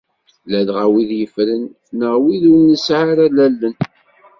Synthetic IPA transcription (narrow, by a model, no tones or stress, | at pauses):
lælʁawiðjəfɾənː | əʁwiðunːəsʕaɾælælːən